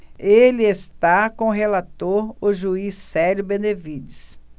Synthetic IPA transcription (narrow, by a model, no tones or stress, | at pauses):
elɪest̪akõʊɦelat̪oɾʊʒuisːɛɾʊbẽnevid͡ʒɪs